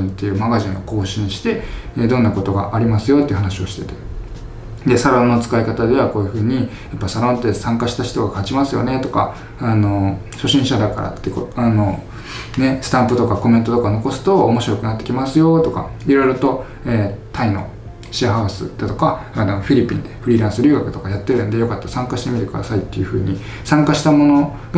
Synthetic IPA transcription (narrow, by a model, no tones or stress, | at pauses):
ĩnt̪ːe̞jɯ̟ːmaɡaʑĩɰ̃o̞̰ko̞ːɕĩɰɕi̥t̪e̞eːd̪õ̞nːako̞t̪o̞ɡa̰ʔaɾʲimasɨjo̞t̪eiɯ̟ɦanaɕio̞ɕi̥t̪e̞t̪e̞ | d̪e̞saɾõ̞nːo̞t͡sɨ̥kaikat̪ad̪e̞βako̞ːjɯ̟ɸɯ̟ːɲ̟i | japːasaɾõ̞nt̪ːesãŋkaɕi̥t̪açi̥t̪o̞ɡakat͡ɕimasɨjo̞ne̞t̪o̞ka̰ | ano̞ | ɕo̞ɕĩɰ̃ɕad̪akaɾa̰t̪ːekot̪ano̞ | ne̞sɨ̥t̪ãmpɯ̟t̪o̞kako̞mẽ̞nt̪o̞t̪okaono̞ko̞sɨ̥t̪o̞ːmo̞ɕiɾo̞kɯ̟nat̪ːe̞kʲimasɨjo̞t̪o̞ka̰iɾo̞jiɾot̪o̞ | eːt̪aino̞̰ | ɕiahaɯ̟sɨ̰d̪̥at̪o̞kaanoɸʲiɾʲipʲːḭ̃nd̪e̞ɸɾʲiːɾãɰ̃sɨɾʲɯ̟ːɡakɯ̟̥t̪o̞kajat̪ːeɾɯond̪e̞jo̞kat̪ːasãŋkaɕi̥t̪e̞mʲit̪e̞kɯ̟d̪a̰sait̪ːe̞jɯ̟ɸɯ̟̰ːɲ̟i | sãŋkaɕi̥t̪amo̞no̞ | ɡa